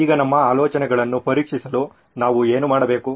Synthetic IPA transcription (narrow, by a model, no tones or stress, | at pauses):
iːɡɐnɐmːɐaːlɔːt͡ʃɐnɛɡɐɭɐnːupɐɾikʂisɐlu | naːʋueːnumaːɽɐbe̞ːku